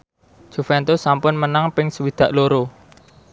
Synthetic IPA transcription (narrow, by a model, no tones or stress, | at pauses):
ʒ̥ṳfɛnt̪ʊsːampʊnmənaŋpɪŋsəwid̪̥ä̤ʔloɾo